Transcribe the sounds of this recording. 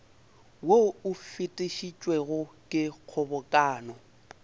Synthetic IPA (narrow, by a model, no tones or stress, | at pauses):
woʊfɪtʼɪʃit͡ʃʼwɛɣʊkʼɪq͡χʰɔbɔkʼaːnɔ